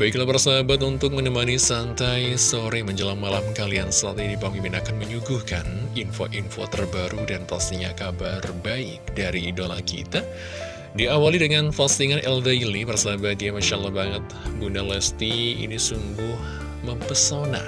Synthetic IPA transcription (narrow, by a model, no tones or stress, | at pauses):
baiklapaɾsaɦabat̪unt̪ʊk̚mənəmanisant̪ajsoɾeməɲd͡ʒəlaŋmalamkaliansəlat̪idipamimpinakanməɲuɡuhkaninfo̰ʔinfo̰t̪ərbaɾudanfast̪iɲakabarbaɪk̚daɾiːdola̰kḭt̪a | diawalidəŋanfast̪iŋanʔɛldailipaɾasaɦabat̪̚iamaʃalahbaŋət̪̚ɡunalɛst̪iḭnisuŋɡʊh | məmpəsona̰